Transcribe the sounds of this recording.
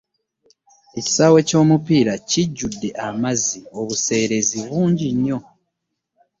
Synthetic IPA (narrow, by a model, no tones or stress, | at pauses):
e̞ci̥sawe̞co̞ːmupiɾaciɟːudːe̞ʔamazio̞βuse̞ːɾe̞ziβuːɲɟiɲːo̞